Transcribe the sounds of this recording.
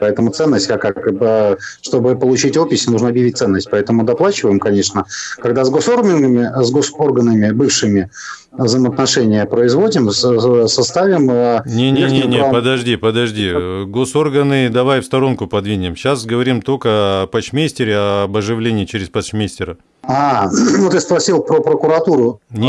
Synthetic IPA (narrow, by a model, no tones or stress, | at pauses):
pɐɛt̪əmʊt̪sɛnːəsʲtʲkakakbʂt̪o̞bɨpəlˠʊt͡ɕitʲopʲɪsʲnuʐnəɐbjɪvʲit̚t̪sɛnːəsʲt̚ʲpɐɛt̪əmʊd̪ɐplˠat͡ɕɪvəjɪmkɐnʲe̞ʂnəkɐɡd̪azɡo̞sormʲɪnɡəmʲɪzɡoso̞rɡənəmʲɪbɨfʂɨmʲɪ | vzəjmət̪nɐʂɛnʲɪjəpɾəɪzvo̞dʲɪmsɐst̪avʲɪmənʲenʲenʲenʲepəd̪ɐʐdʲipəd̪ɐʐdʲiɡo̞so̞rɡənɨd̪ɐvajfst̪ɐɾo̞nkʊpɐd̪vʲinʲɪmɕasɡəvɐɾʲimt̪okəɐpɐt͡ɕmʲesʲtʲɪɾʲɪɐbɐʐɨvlʲenʲɪjːt͡ɕɪɾʲɪspɐsɕmʲesʲtʲɪɾə | anut̪ɨspɾɐsʲilˠpɾəkɾəkʊɾɐt̪uɾʊnʲ